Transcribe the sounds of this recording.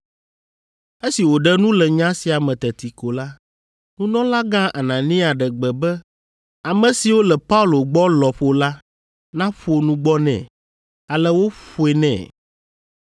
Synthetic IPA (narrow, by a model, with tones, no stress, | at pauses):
e˦si˨wo˨ɖɛ˦nũ˦lɛ˨ɲã˦si˨a˨mɛ̃˨t̪ɛ˨t̪i˨ko˨la˦ | nũ˦nɔ̃˦la˦ɡã˦ʔa˨nã˨nĩ˦a˨ɖɛ˨ɡ͡bɛ˨bɛ˦ | a˨mɛ̃˨si˨wo˦lɛ˨pa˦u˦lo˨ɡ͡bɔ˦lɔ˨ɸo˦la˦ | nã˦ɸo˦nũ˦ɡ͡bɔ˦nɛ̰̃˨ | a˨lɛ˦wo˦ɸo˨˦ɛ˨nɛ̰̃˨